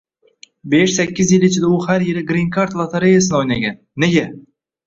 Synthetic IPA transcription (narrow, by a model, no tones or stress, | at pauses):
beʃsækʲːɪzjɪlit͡ʃʰɪd̪auhæɾjeɾɪɡɾiŋkʰaɾt̪lˠat̪ʰaɾejasɨnojnɑɡʲanːeɡʲe